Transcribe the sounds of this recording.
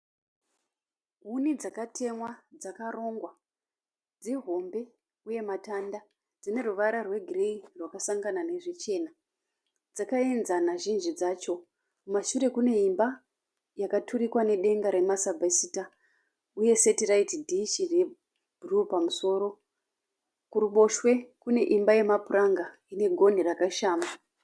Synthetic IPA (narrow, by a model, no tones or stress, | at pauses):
ɦunid͡zakatʰe̞mwad͡zakaro̞ŋɡwa | d͡ziɦo̞mbe̞ | uje̞matanda | d͡zine̞ruʋaɾarwe̞ɡʱireirwakasaŋɡanane̞ʐit͡ʃe̞na | d͡zakae̞nzanaʒind͡ʒid͡zaːt͡ʃo̞ | kumaʃuɾe̞kune̞imba | jakatʰurikwane̞ɗe̞ŋɡaɾe̞masabʱasiːta | uje̞setiraitdʱiʃire̞ | b̥urupamuso̞ːɾo̞ | kuɾuɓo̞ʃwe̞kune̞ʔimbaje̞mapuraŋɡa | ine̞ɡʱo̞nirakaʃaːma